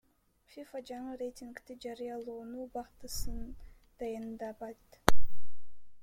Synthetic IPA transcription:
fʲifad͡ʒɑɴɯɾejtʲiŋkt̪id͡ʒɑɾɯjɑlˠuːnuːbɑqt̪ɯsɯn | d̪̥ɑjɑnd̪ɑbɑt̪

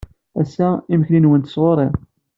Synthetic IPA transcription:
æ̰sæiməçlinwənt̪ə̥sʁoɾˤeʁ

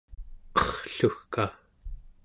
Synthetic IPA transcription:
qʌχɬuxka

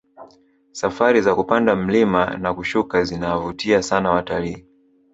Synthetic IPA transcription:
safaɾizakupandam̩lima̰nakuʃukazinawavutiasanawataliː

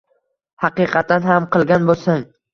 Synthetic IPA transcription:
hɑqɨqʰɑt̪̚ːanɦamqʰɨlˠɡʲanbolˠsaŋ

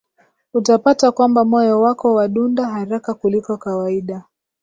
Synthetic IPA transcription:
utapatakwambamɔjɔwakɔwaɗundaɦaɾakakulikɔkawaiɗa

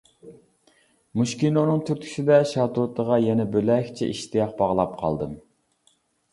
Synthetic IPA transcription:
muʃkʲinonɨŋt̪ʰyɾt̪ʲʰi̥sɪd̪ɛʃɑt̪ʰot̪ʰəʁɑjɛnɛbølɛkʲt͡ʃʰɛ̰ʔiʃt̪ijɑq̚bɑʁlˠɑp̚qʰɑ̰lˠd̪ɨm

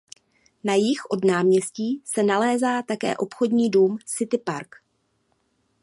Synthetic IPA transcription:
najɪxʔo̞dnaːmɲɛsciːsɛnalɛːzaːt̪akɛ̰ːʔo̞pxo̞dɲiːduːmsɪt̪ɪpaɾk

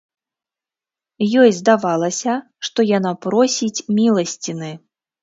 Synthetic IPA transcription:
jɔjzd̪avalˠɐsʲɐ | ʂt̪ɔjanapɾɔsʲit͡sʲmʲilˠɐsʲt͡sʲinɨ

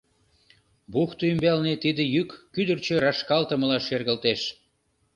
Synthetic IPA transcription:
buxt̪oymbælnet̪id̪ejykːyd̪ərt͡ɕøɾɑʃkɑlt̪əməlɑʃerɣə̆lt̪eʃ

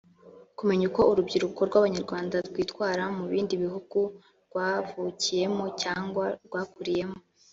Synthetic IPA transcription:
kume̞ɲuko̞uɾubɟiɾuko̞ɾɡwaβaɲaɾɡwaːndaɾɡwiːtwaːɾamuβiːndiβiɦuɡ̥u | ɾɡwavucije̞mo̞caːŋɡwaɾɡwaːkuɾije̞mo̞

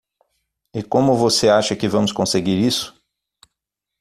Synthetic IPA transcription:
ɪkõmʊvoseaʃɐkɪvɐ̃mʊskõseɡiɾisʊ̥

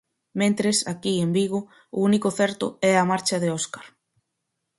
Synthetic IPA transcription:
mẽnt̪ɾesakiembiɣʊ | ʊunikʊθɛɾt̪ʊɛamaɾt͡ʃɐðeɔskaɾ

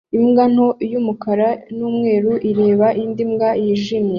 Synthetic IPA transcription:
imɡan̥o̞jumukaɾanuːmŋe̞ːɾuʔiɾe̞ːβaʔindimɡajiʒimje

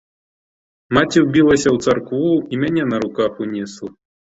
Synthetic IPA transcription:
mat͡sʲiwbʲilˠɐsʲɐwt̪sarkvuimʲanʲɛnɐɾukaxunʲɛslˠɐ

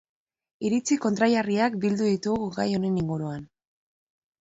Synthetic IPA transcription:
iɾit͡siko̞nt̪ɾajariakbild̪uðit̪uɣɡajo̞ne̞niŋɡuɾuan

